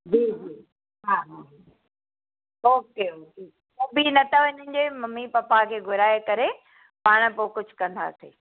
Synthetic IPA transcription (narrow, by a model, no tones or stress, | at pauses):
d͡ʑiːd͡ʑiː | ɦaːɦaːɦ | oːkeoːke | obinɐt̪ʰaʋɪnənɪ̆d͡ʑeːmɐmːipɐpakʰeːɡʱʊɾaːekɐɾe | paːɽ̃̆poːkʊd͡ʑʱʊkɐ̃nd̪a̰ːseː